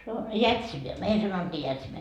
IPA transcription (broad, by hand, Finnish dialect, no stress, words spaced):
se on jætsinæ meil sɑnotːiː jætsinæ